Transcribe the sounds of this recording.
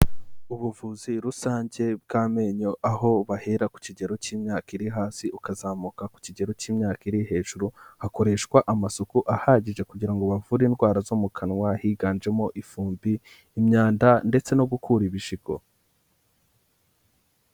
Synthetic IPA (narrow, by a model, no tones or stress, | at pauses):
uβuvuziɾusaːɲɟe̞b̚ɡaːme̞ɲoʔaɦo̞βaheɾaku̥ciɟe̞ɾo̞ciːmɲaːkiɾiɦaːsiʔukazaːmukaku̥ciɟe̞ɾo̞ciːmɲaːkiɾiɦe̞ːʒuɾuhako̞ɾe̞ʃkwaʔamasokuʔahaːɟiʒe̞kuɟiɾaŋɡo̞βavuɾiːnɡwaːɾazomukʰanŋwahiɡaːnd͡ʒe̞mo̞ʔifuːmbiː | mɲaːndande̞t͡se̞no̞ɡukʰuɾiβiʃiɡo̞̰